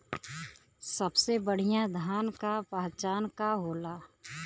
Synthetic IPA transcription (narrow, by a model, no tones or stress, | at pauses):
səbsebəɽ̤ijãd̪ʱaːnkapaɦt͡ʃaːnkaɦoːlaː